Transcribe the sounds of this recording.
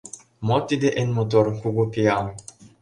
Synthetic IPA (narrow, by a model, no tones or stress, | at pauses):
mot̪id̪eʔenmot̪̬oɾkuɡupiaw